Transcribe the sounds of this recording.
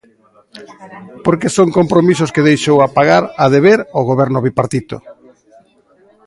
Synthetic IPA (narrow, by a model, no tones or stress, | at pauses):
poɾkesoŋkompɾomisʊskeðejʃowapaɣaɾaðeβeɾoɣoβɛɾnʊβipaɾt̪it̪o̰